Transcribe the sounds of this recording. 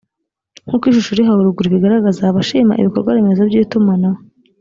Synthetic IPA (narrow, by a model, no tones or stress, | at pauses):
ŋ̥hukwiːʃ̬uʃuɾiɦauɾuɡuɾiβiɡaɾaɡazaːβaʃiːma̰ʔḭβikoɾɡwaβemezabjiːtumana